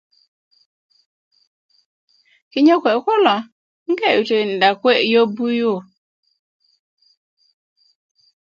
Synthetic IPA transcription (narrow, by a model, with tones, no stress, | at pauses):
ki˦ɲe˦kʷe˨˦kʊ˦lɔ˨ | ŋ̩˦ke˦˨u˨te˨n̩˨da˨kʷe˦ʔjo˦bu˦ju˦˨